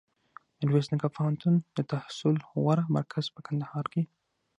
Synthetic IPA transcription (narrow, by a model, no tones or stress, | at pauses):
ɾwesnikapohant̪und̪̥ət̪ahsʊlwaɾama̰ɾkʰaz̥pəkand̪ahɑɾke